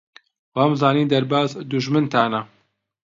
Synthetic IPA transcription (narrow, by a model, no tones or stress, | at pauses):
waːmzaːniːnd̪ɐɾbaːzd̪uʒmɨnt̪ʰaːnɐ